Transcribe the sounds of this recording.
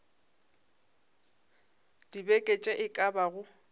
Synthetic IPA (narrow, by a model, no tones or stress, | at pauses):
d̥ibekʼet͡ʃʼɛʔɪkʼabaɣʊ